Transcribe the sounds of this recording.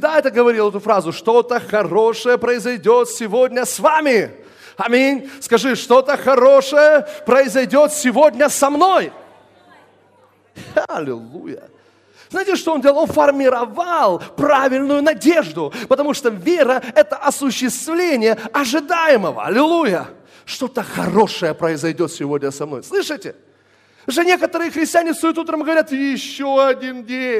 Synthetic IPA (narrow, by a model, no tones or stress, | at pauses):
d̪aɛt̪əɡəvɐɾʲilˠɛt̪ʊfɾazʊʂt̪o̞t̪əxɐrɾo̞ʂəjəpɾəɪzɐjdʲot̪sʲɪvodʲnʲəsvamʲɪ | ɐmʲinʲskɐʐɨʂt̪o̞t̪əxɐɾo̞ʂəjəpɾəɪzɐjdʲo̞t̪sʲɪvo̞dʲnʲəsɐmno̞j | ɐlʲɪ̰lˠujə̰ | znajtʲɪʂt̪oondʲelˠonfərmʲɪɾɐvalˠpɾavʲɪlʲnʊjʊnɐdʲe̞ʐd̪ʊpət̪ɐmuʂt̪ovʲeɾəɛt̪əʔɐsʊɕːɪst̪vlʲenʲɪjəɐʐɨd̪ajɪməvə̰ɐ̰lʲɪlˠujə | ʂt̪o̞t̪əxɐ̰ro̞ʂəjəpɾəɪzɐjdʲo̞t̪sʲɪvo̞dʲnʲəsɐmno̞̰jslˠɨʂɨtʲɪ | ʐɨnʲe̞kət̪əɾɨjəxɾʲɪsʲtʲɪanʲɪsɐjut̪ut̪ɾəmɡəvɐɾʲat̪jɪɕːoɐdʲindʲenʲ